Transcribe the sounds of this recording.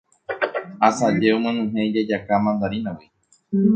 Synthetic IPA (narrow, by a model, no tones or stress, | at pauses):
asad͡ʒeomẽnũɦẽd͡ʒad͡ʒakamãnd̪aɾinãwi